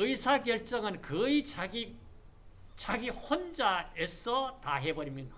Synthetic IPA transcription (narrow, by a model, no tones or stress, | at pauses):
ɯjsʰaɡjʌɭt͡ɕ͈ʌŋɯnkɯii | t͡ɕaɡihʌnd͡ʑaes͈ʰʌtaɦe̞bʌɾimjʌ